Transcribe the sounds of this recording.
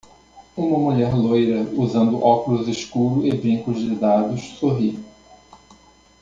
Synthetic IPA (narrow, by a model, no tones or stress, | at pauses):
ũmɐmuʎɛɾlojɾɐuzɐ̃nd̪ʊʔɔkulʊzeʃkuɾʊɪbɾĩŋkʊzd͡ʒɪd̪ad̪ʊʃsoɦi